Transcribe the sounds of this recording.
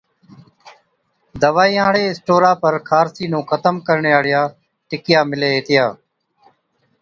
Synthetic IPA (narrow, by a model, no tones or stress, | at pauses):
d̪əʋaːiːãːɽeːɪsʈoːɾaːpəɾkʰaːɾsiːnũːkʰət̪əmkəɾɳeːaːɽɪjaː | ʈɪkɪjaːmɪleːɦeːt̪ʰɪjaː